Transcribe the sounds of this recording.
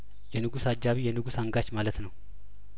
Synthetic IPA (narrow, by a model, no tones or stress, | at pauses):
jɛnɨɡusad͡ʒːaβijɛnɨɡusaŋɡat͡ʃmalət̪nəw